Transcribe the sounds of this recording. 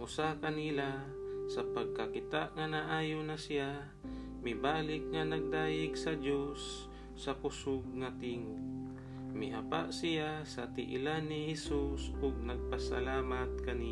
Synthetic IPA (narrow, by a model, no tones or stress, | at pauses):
ʔʊsakɐnila | sɐpɐɡ̚kakɪt̪aʔŋanaʔaːjonasɪja | mɪbaːlɪk̚ŋanɐɡ̚d̪aːjɪɡsɐd͡ʒosː | ɐpʊsʊɡ̚ŋɐt̪iːŋo | mɪhapa̰ʔsɪjasɐt̪ɪ̰ʔɪ̰lanːɪhɛsusʊɡ̚nɐɡ̚pasa̰laːmat̪̚kɐni